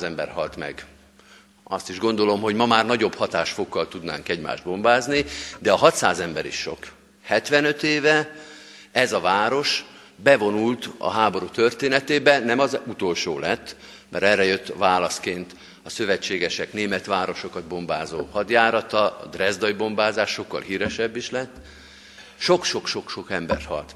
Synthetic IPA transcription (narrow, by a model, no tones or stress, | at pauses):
zɛmbɛ̰rhɒlt̪mɛ̰ɡ | ɒst̪iʒɡo̞n̪d̪o̞lo̞mho̞ɟmɒmaːrnɒɟo̞bhɒt̪aːʃfokːɒlt̪ud̪na̰ːŋkɛɟma̰ːʒd̪̚bo̞mbaːznid̪ɛɒɦɒt̪saːzɛmbɛɾḭʃʃo̞̰k | hɛt̪ʋɛnøt̪eːvɛ | ɛzɒvaːɾo̞ʃ | bɛvo̞nult̪ɒ̰ɦaːbo̞ɾut̪ørt̪eːnɛt̪eːbɛnɛmɒzut̪o̞lʃo̰ːlɛt̪ː | mɛɾɛrɛjøt̪ːvaːlɒskeːnt̪ | ɒsø̞vɛt͡ʃːeːɡɛʃɛkneːmɛt̪ʋaːɾo̞ʃo̞kɒd̪̚bo̞mbaːzo̰ːhɒd̪jaːɾɒt̪ɒɒ̰d̪rɛzd̪ɒjibo̞mbaːzaːʃʃo̞kːɒ̰lɦiːɾɛʃɛbːiʃlɛt̪ː | ʃo̞kʃo̞kʃo̞kʃo̞kɛmbɛ̰rt̪hɒ̰lt̪